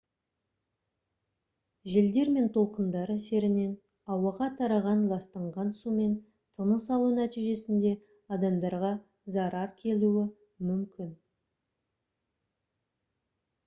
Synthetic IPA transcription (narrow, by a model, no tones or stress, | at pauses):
ʒeld̪e̞ɾme̞nt̪ʰo̞lˠqənd̪ɑɾəse̞ɾɪne̞n | ɑwɑʁɑt̪ʰɑɾɑʁɑnlˠɑst̪ɑɴʁɑnsume̞n | t̪ʰəməsɑlˠunæt̪ijʒe̞sɪnd̪e̞ | ɑd̪ɑmd̪ɑɾʁɑ | zɑɾɑɾkʲʰe̞luɪ | mʏmkʲɪn